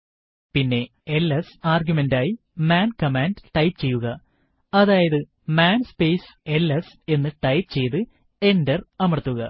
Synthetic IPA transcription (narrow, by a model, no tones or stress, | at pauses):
pinːe̞ | elːɐsaːrɡʲjumendaːji | maːnkɐmaːndʈɐjpt͡ɕe̞jːuɣɐ | ɐðaːjɐðɨ | maːnspejse̞lːɐs | e̞nːɨʈɐjpt͡ɕe̞jt̪ɨ | e̞ndɐrɐmɐrɐt̪ːuɣɐ